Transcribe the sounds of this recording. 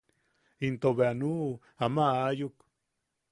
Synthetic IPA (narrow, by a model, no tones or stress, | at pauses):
int̪oβeanu | amaajuk